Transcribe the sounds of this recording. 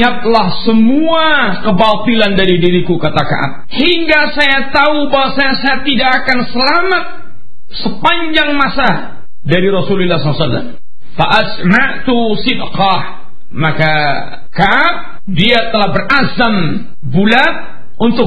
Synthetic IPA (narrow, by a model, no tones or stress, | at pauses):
at̪̚lahsəmua | kəbat̪ilandaɾidiɾikukat̪aka̰ʔa̰p̪̚hiŋɡasajat̪aubaɦwasajasajat̪idaʔːkansəlamat̪̚ | səpaɲd͡ʒaŋmasa | daɾiɾɔsulilːaslasalːa̰m | faʔasmaʔt̪u | sɪdqɑh | maka | kaʔap̚ | diat̪əlahbərazam | bulat̪̚ | unt̪ʊ